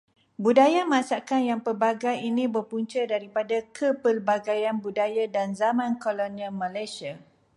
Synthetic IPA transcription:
budajamãsakanjaŋpərbaɡajinĩbərpuɲt͡ʃədaɾipadakʰəpərbaɡajanbudajadanzamãnkolonialmãlajsia

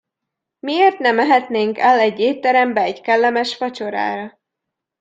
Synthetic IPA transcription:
mieːrt̪nɛmːɛɦɛt̪neːŋkɛlɛɟːeːt̪ːɛɾɛmbɛːɟkɛlːɛmɛʃfɒt͡ʃo̞ɾa̰ːɾɒ

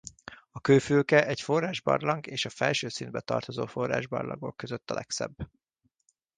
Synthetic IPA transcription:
ɒkøːfylkɛʔɛcfo̞rːaːʒbɒ̰rlɒŋɡeːʃɒfɛlʃøːsind̪̚bɛt̪ɒ̰rt̪o̞zoːfo̞rːa̰ːʒbɒ̰rlʔɒ̰ɡo̞̰kːøzøt̪ːɒlɛksɛ̰bː

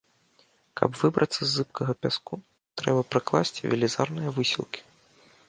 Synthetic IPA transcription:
kʰɐ̰bvɨbɾʔɐt̪sːɐzːɨpkʰɐɣɐpʲasku | t̪ɾɛbɐpɾɨklˠasʲt͡sʲivʲɛlʲizarnɨjɐvɨsʲilˠkʲi̥

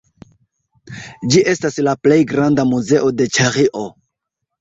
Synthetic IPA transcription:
d͡ʒiʔe̞staslaple̞jɡɾandamuze̞ʔo̞de̞t͡ʃaɾiʔo

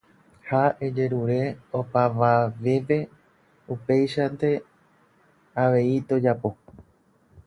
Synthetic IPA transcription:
hae̞d͡ʒe̞ɾuɾe̞opaʋaʋe̞pe̞ | upe̞jʃand̪e̞ | aʋe̞it̪o̞d͡ʒapo̞

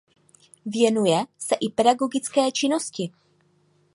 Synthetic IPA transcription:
vjɛnujɛsɛʔɪpɛdaɡo̞ɡɪt͡skɛːt͡ʃɪno̞scɪ

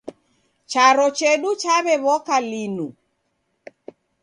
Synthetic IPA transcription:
t͡ʃaɾɔt͡ʃɛɗut͡ʃaβɛβɔkalinu

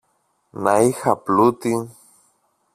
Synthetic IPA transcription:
naixaplut̪i

